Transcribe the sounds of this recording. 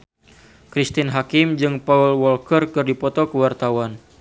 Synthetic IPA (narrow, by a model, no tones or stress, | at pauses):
kɾist̪ɪnɦakɪmd͡ʒɨŋpaulwɔlkərkɨrdipɔt̪ɔkəwart̪awan